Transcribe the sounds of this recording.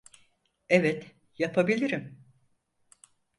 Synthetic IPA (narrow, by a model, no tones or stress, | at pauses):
evɛt̪ | japʰabilʲiɾim